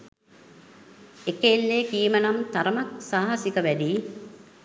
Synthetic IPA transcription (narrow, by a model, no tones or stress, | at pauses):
ekelːeːkiːmənamt̪aɾəmak̚saːɦasikəʋæd̪iː